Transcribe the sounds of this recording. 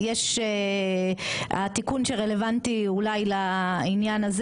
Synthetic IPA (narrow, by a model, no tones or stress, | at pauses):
jeʃe | at̪ikunʃe̞ʁe̞le̞vant̪iulajlainjanaz